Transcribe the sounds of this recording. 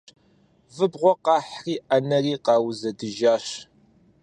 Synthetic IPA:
vɨbʁʷɔqɑːħriːʔɐnɐriːqɑːwzɐdɨʒaːɕ

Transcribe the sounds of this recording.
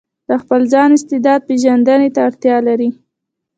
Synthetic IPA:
d̪̥əxpəlzɑnɪst̪ɪd̪ɑd̪̚peʒand̪anet̪aːɽt̪jɑlaɾi

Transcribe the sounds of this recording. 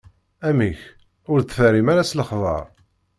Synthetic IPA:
æmiç | ʊɾθfəɾimæɾæsləχðˤɑ̰ɾˤ

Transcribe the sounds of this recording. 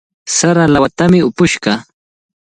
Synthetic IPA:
saɾalawat̪amɪʊpʊʃka

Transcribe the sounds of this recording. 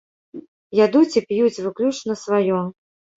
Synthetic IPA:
jad̪ut͡sʲipʲjut͡sʲvɨklʲut͡ʂnɐsvajɔ

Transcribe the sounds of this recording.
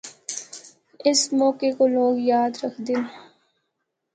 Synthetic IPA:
ɪsmɔːkekoloːɡjaːd̪ɾəkʰd̪ɪn

